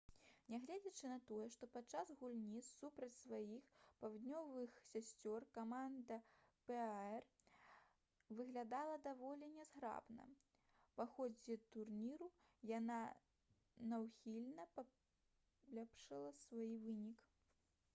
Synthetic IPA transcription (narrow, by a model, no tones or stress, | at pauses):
nʲɛɣlʲad͡zʲɐt͡ʂɨnɐt̪ɔjɛʂt̪ɔpat̪t͡ʂːazɣulʲnʲisːupɾɐt͡sʲsvajixpawd̪ʲnʲɔvɨxsʲasʲt͡sʲɔrkamand̪ɐpɛɛr | vɨɣlʲad̪alˠɐd̪avɔlʲɛnʲɛzɣɾa̰bnɐ̰ | paxɔd͡zʲɛt̪urnʲiɾujana | nɐwxʲilʲnɐpɐ | lʲapʂɐlˠɐsvajivɨnʲik